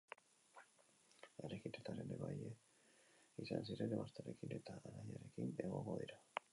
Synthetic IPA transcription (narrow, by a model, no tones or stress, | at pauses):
eɾekit̪et̪aɾe̞neβaje | isansiɾe̞neβast̪aɾe̞kine̞t̪aːɾajaɾe̞kine̞ɣo̞ŋɡo̞ðiɾa